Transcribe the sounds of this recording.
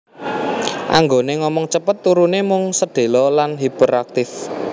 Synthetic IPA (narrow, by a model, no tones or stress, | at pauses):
ʔa̰ŋɡoneŋɔmɔŋt͡ʃəpət̪ːuɾunemʊŋsəɖ̪̥e̤lɔlanɦib̥əɾak̚t̪ɪf